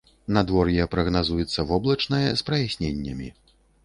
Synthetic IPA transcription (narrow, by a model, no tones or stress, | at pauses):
nad̪vɔrjɛpɾɐɣnazujɛt̪sːɐvɔblˠɐt͡ʂnɐjɛ̰spɾɐjasʲnʲenʲːɐmʲḭ